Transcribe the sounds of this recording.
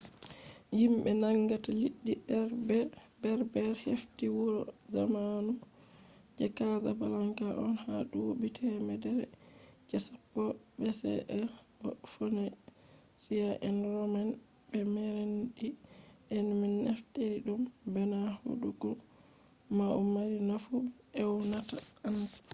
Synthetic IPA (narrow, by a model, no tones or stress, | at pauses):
jimbɛnaŋɡataliɗːibɾbɛ | bɛɾbɛɾheftiwuɾɔzamanu | d͡ʒɛkazabalaŋkaʔɔnhaɗuwobitʰɛmɛdɛɾɛ̰d͡ʒɛsapːɔbɛsɛ̰ʔɛ | ɔfɔnɛ | sijaʔɛnɾɔman | bɛmɛɾenɗiʔɛnminːɛfteɾiɗumbɛnaho̰ɗuɡɔ | maumaɾinafu | ɛwnataant